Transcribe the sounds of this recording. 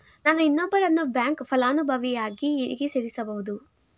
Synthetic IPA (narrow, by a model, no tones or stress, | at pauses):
naːnuinːɔbːɐɾɐnːubjaːŋkpʰɐlaːnubʱɐʋijaːɡiːɾḭɡeseːɾisɐbɐɦud̪u